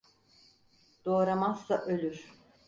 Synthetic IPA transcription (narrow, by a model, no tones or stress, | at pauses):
d̪̥o̞ːɾamazːaʔølʲyɾ̥